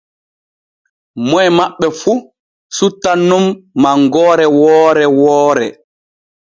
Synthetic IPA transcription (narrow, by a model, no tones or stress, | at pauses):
mɔɛmaɓːɛfu | sutːanːumːaŋɡɔːɾɛwɔːɾɛwɔːɾɛ̰